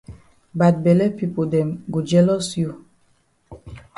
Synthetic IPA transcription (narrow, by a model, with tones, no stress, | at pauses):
ba˨t̚bɛ˨lɛ˦pi˦po˨dɛ̃˨mɡo˨d͡ʒɛ˦lɔ˦sju˦˨